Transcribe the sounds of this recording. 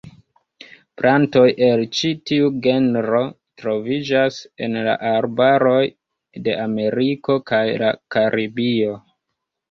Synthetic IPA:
plʔanto̞jʔe̞lt͡ʃitiuɡe̞nɾo̞ | tɾo̞vid͡ʒase̞̰nla̰ʔaɾbaɾo̞j | de̞ʔame̞ɾiko̞kajla̰kaɾʔibio̞

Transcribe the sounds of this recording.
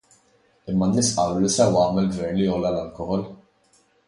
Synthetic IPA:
ɪmːɐnːɪːsʔɐːɾulisɛwɐːmɛlɡvɛɾnlijɔlːɐlɐlkɔhɔl

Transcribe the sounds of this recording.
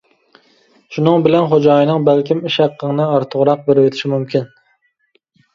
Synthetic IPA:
ʃunɨŋbɪlɛnχod͡ʒɑːjinɨŋbælkʲimiʃæqʰːəŋnɨɑɾt̪ʰʊʁɾɑq̚beɾɪwet̪ʰɪ̥ʃimumkʲin

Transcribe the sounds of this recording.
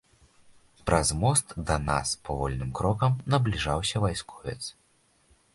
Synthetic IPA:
pɾʔɐzmɔst̪d̪ɐna̰spɐvɔlʲnɨmkɾɔkɐmnɐblʲiʐawsʲɐvajskʰɔ̥vʲɛt̪s

